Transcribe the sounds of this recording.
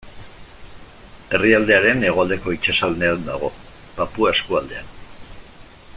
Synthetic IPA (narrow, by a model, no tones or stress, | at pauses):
e̞riald̪e̞aɾe̞ne̞ɣo̞ald̪e̞ko̞it͡ʃasalneaðd̪a̰ɣ̞o̞ | papuae̞skuald̪e̞an